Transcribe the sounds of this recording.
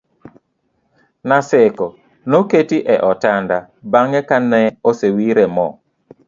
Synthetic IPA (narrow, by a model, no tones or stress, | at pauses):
nasɛkɔ | noketiʔɛʔɔtanda | baŋɛkanɛosewiɾɛmɔ̰